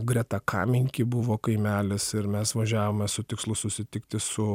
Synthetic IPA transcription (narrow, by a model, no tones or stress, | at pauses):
ɡɾʲɛt̪ɑkʰɑ̰ːmʲɪŋʲkʲibʊʋoːkɐɪmʲæːlʲɪsɪɾmʲɛsʋɐʒʲæːʋoːmʲɛsʊt̪ʲɪkslˠʊsʊsʲɪt̪ʲɪkt̪ʲɪsʊ